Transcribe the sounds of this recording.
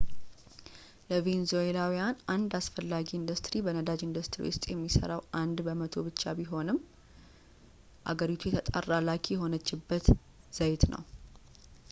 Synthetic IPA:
ləvenzoelawijanand̪asfəlːaɡiːnd̪ust̪ʼɾibənəd̪ad͡ʒind̪ust̪ɾḭwʊst̪ʼjɛmːisə̰ɾawʔand̪bəmət̪ʰo̞bɨt͡ʃːa̰biɦo̞nɨm | ʔa̰ɡəɾit̪ʰujɛt̪ʰət̪ʼa̰rːalakʰijɛɦo̞nət͡ʃːɪbːət̪ | z̥əjt̪nʔə̰w

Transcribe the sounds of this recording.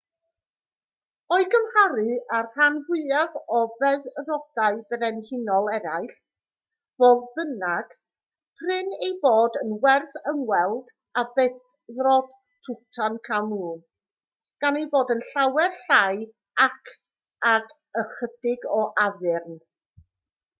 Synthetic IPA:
ɔɨɡəmhaɾɨarr̥anvwɪðaðɔvɛðrɔd̥aɨbɾɛnhɪnɔlˠɛɾaɨɬ | voːðbənaɡ̥ | pʰrɪnejboːdənwɛrθəŋwɛlˠd̥ | abɛθ | ðrɔd̥ | tʰʊtʰankʰamuːn | ɡ̥anejvoːdənɬawɛrɬaj | akʰ | ak | əχəd̥ɪɡɔʔaðɪrn

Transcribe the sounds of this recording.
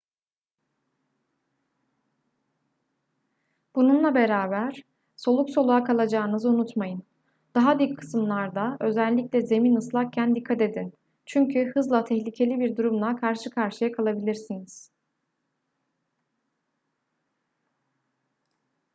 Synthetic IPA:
b̥ununlˠabe̞ɾaːbæɾ̥ | so̞lˠukso̞lˠuakʰalˠad͡ʒaːɯnɯzɯunut̪majɯn | d̪̥aɦad̪yckʰɯ̥sɯmlˠaɾd̪aø̞zælʲːiclʲɛze̞minɯslˠakcʰænd̪ikʰːat̪e̞d̪in | t͡ʃʰyɲcʰyhɯzlˠat̪ʰɛçlʲicʰe̞lʲibiɾd̪uɾumlˠakʰaɾʃɯkʰaɾʃɯjakʰalˠabilʲiɾsiniz̥

